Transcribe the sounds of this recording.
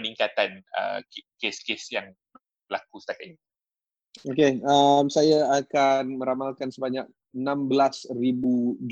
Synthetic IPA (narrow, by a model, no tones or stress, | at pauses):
əniŋkat̪anə̰keskesjaŋ | bəlakusə̥t̪akat̪̚ɲi | okeamsajaakanmə̃ɾamalkansəbaɲak̚ | ənãmbəlasribud͡ʒ